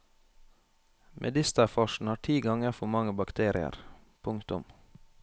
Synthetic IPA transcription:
mʔɛ̰d̪ɪst̪əfɔʃn̩hɑːʈʰiːɡɑŋəɾfɔmɑŋəbɑkt̪ʰeːɾɪə̰ɾ | pʰʊŋkt̪ʊm

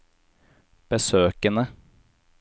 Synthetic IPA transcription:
b̥əsøːkənə

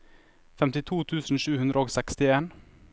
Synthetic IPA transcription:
fɛmt̪ɪt̪ʰuːt̪ʰʉːsn̩ʃʉːhʉnd̪ɾəoːɡsɛkst̪ɪeːn

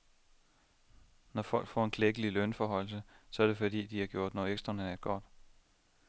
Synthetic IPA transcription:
nɒfɒ̽l̰ɡ̥fɒ̰ːe̝nkʰleɡ̥əlilønfɒɦɒ̽ɪ̰l̩səsɒ̽æɐɾ̥e̝fɒ̽d̥ḭːd̥iæɡ̥jo̝ɐ̰d̥nɒeɡsd̥ʁɐnedæd̥̚ɡ̥ɒ̰d̥

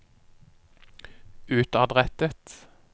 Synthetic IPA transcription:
ʉːt̪ɑd̪ʁɛt̪ət̪

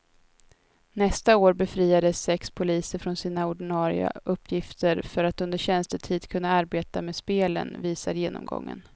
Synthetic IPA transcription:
nɛst̪aoːɾbɛfɾiːad̪əsːɛkspʰʊliːsəɾfɾɔnsiːnaʊɖɪnɑːɾɪa̰ʔɵpːjɪft̪ʰəɾfœɾat̪ɵnd̪əɕɛnst̪əʈʰiːd̪kʰɵnːaaɾbeːt̪ameːd̪speːlə̰nviːsaɾjeːnɔ̰mɡɔ̰ŋːə̰n

